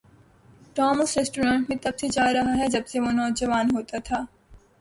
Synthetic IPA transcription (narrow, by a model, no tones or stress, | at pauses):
ʈɔːməsɾesʈuːɾãːɳʈmẽt̪ɐbsed͡ʒaːɾɐɦaɦɛd͡ʒɐbseʋoːnɔːd͡ʒəʋaːnɦoːt̪at̪ʰaː